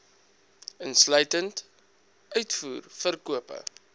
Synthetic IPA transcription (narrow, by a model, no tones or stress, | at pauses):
ənslœɥtənt | œɥtfuːrfərkuəpə̰